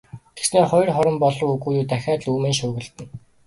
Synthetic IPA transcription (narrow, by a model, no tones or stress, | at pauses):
ɡ̥esneːχɔj̆rχɔɾɞ̆mpɔɮɞ̆wuɣuːjuːt̪æxʲaːt̪ɮuːmeːnʃʊːɣɘ̆ɮt̪ɘ̆n